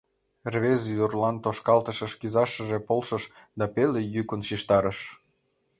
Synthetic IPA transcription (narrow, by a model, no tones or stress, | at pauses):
rβezjurlɑnt̪oʃkɑlt̪əʃəʃkizɑʃəʒepolʃəʃd̪ɑpelejykənʃiʃt̪ɑɾəʃ